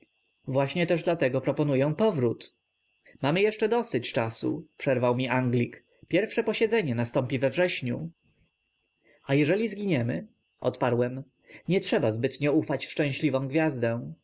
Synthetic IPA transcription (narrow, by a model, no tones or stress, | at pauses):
vwaɕɲɛt̪ɛʐd̪lat̪ɛɡɔpɾɔpɔnujɛ̃w̃pɔvɾut̪ | mamɘjɛʂt͡ʂɛd̪ɔsɘt͡ɕt͡ʂasṵpʂɛɾvawmʲiʔaŋɡlʲik | pʲjɛɾfʂɛpɔɕɛd̪zɛɲɛnast̪ɔmpʲivɛvʐɛɕɲu | ajɛʐɛlʲizɡʲiɲɛmɘ̰ | ʔɔ̰t̪paɾwɛm | ɲɛtʂɛbazbɘt̪ɲɛufat͡ɕfʂt͡ʂɛ̃w̃ɕlʲivɔ̃w̃ɡvʲjazd̪ɛ̃